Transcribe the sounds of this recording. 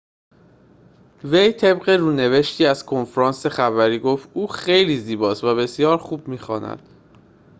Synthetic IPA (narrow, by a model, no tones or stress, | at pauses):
ve̞jt̪ʰe̞bɢeɾuːne̞ve̞ʃt̪ʰiːæz̥kʰo̞nfɾɒːnse̞xævæɾiːɡoft̪ʔuːxe̞jliːziːbɒːst̪væbe̞sijɒːɾxuːbmiːxɒːnæ̰d̪̥